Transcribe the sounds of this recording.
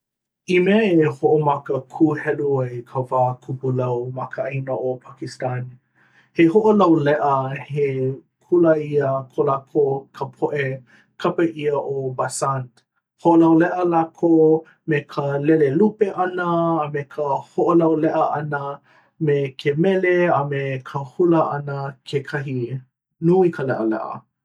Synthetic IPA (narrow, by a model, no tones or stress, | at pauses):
imeɐehoʔomɐkəkʰuhɛluajkʰəvaːkʰupulɐwmɐkəainəʔopʰakistani | hehoʔolɐwlɛʔəhe | kʰulaiəkʰolakʰokʰəpʰoʔe | kʰɐpəʔiəʔobasant | hoʔolɐwlɛʔəlakʰo | mekʰəlelelupeʔɐnəːmekʰəhoʔolɐwlɛʔəɐnə | mekʰemɛleəmekʰəhuləʔɐnəkʰekʰɐɦi | nuikʰəlɛʔəlɛ̰ʔə̰